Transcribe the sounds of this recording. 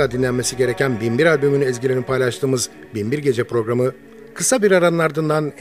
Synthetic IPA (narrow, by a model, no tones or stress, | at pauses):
ad̪inlʲænme̞siɟe̞ɾe̞cʰænbinbiɾalʲbymynyɛzɟilʲenipʰajlˠaʃt̪ʰɯːmɯz | binbiɾɟe̞d͡ʒɛpɾo̞ɡɾamɯ | kʰɯsabiɾaɾanɯnaɾd̪ɯnd̪an